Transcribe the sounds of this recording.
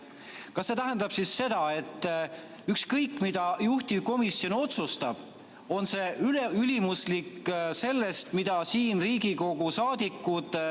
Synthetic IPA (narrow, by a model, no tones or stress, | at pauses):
kɑsːe̞t̪æɦend̪̥ɑb̥sisːe̞d̪̥ɑe̞t̪ːˑ | ykskɤjkːˑmid̪̥ɑjuht̪iko̞misio̞no̞t̪sust̪ɑb̥ | o̞nse̞ylylimuslikːse̞lːe̞st̪mid̪̥ɑsiːnriːɡiko̞ɡusɑːd̪̥ikːud̪̥